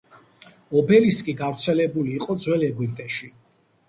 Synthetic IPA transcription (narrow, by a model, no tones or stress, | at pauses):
ɔbɛliskʼiɡavɾt̪sʰɛlɛbuliːqʼɔd̪zwɛlɛɡwip̚t̪ʼɛʃi